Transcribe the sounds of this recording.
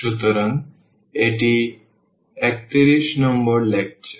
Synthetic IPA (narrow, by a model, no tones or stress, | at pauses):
ut̪oɾan | eʈi | ɛk̚t̪iɾiʃnɔmboɾlek̚t͡ɕʰe